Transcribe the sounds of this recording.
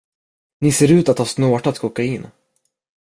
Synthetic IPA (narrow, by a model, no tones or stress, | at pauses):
nɪseːɾʉ̟ːt̪at̪hɑːsnoːʈat̪kʰɔkːaɪnː